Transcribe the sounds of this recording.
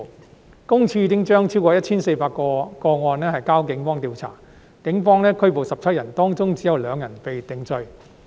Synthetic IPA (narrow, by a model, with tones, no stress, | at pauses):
kʊ˥ŋt͡sʰiː˧t̪ɪ˥ŋt͡ʃœː˥ŋt͡sʰiː˥wkɔː˧jɐ˥t̚t͡ɕʰiː˥nse˧jpaː˧t̚kɔː˧kɔː˧ŋɔː˧nlɛː˥hɐ˨jkaː˥wkɪ˨˥ŋfɔː˥ŋt̪iː˨˧wt͡sʰa̰ː˨˩ | kɪ˨˥ŋfɔː˥ŋlɛː˥kʰɵ˥ɥpo˨wsɐ˨p̚t͡sʰɐ˥t̚jɐ˨˩nt̪ɔː˥ŋt͡sʊ˥ŋt͡siː˨˥jɐ˨˧wlœː˨˧ŋjɐ˨˩npe˨jt̪ɪ˨˥ŋt͡sɵ˧ɥ